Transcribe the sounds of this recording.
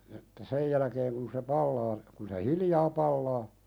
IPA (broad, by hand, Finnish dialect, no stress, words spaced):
etːæ sej jælækeːŋ kun se pɑlːɑː kun se hiljɑː pɑlːɑː